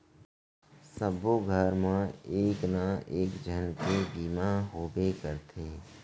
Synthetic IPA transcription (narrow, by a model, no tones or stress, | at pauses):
səboɡʱəɾmãeːknaeːkd͡ʒʱənkebiːmaɦoːbekəɾt̪ʰeː